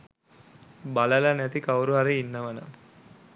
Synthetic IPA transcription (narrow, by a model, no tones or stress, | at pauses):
baləlɐnæt̪ikawɾuɦaɾiinːəʋənə̰